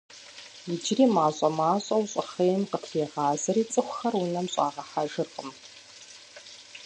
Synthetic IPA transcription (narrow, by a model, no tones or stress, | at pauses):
jɪd͡ʒriːmaːɕʼɐmaːɕʼɐwɕʼχeːjmqətʰeːʁɑːzɐɾiːt͡sʼɨxʷxɐrwʊnɐmɕʼa̰ːʁɐħaʒɨrqʼəm